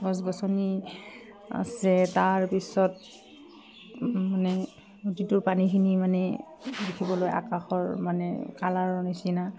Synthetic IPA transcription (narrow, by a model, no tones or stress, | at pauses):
ɡɔs̬bɔsɔni | a̰sɛtaɹpisɔt | manɛ | utitʊɹpanikʰinimanɛ | dikʰibɔloja̰kaxɔɹmanɛ̰kalaɹnisina